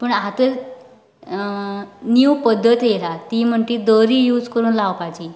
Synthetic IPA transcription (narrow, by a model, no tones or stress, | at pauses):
pəɳɦat̪ə | njuwpəd̪ʱːət̪jelat̪iːm̤əɳʈ̪iːd̪əɾiːjuːd͡zkəɾuːnlaʋpat͡ɕiː